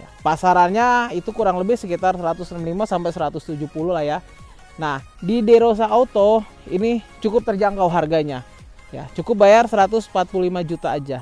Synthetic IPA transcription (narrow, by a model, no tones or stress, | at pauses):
ja̰pasaɾanɲait̪ukuɾaŋləbɪhsəkit̪arsəɾat̪ʊsnəmlimasampajsəɾat̪ʊst̪ud͡ʒuhpululahja | nah | dideɾos̬aot̪o | init͡ʃukʊp̚t̪ərd͡ʒaŋkawɦarɡaɲa | ja̰t͡ʃukʊp̚bajarsəɾat̪ʊsmpat̪̚pululimad͡ʒut̪aːd͡ʒa